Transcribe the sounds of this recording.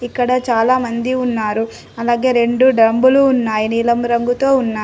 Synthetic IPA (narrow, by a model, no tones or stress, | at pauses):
ikːɐɽɐt͡ʃaːlaːmɐnd̪iunːaːɾu | ɐlaːɡe̞ːɾe̞ɳɖuɖɾɐmbuluːnːaːjiniːlɐmɾɐŋɡut̪o̞ːunːaː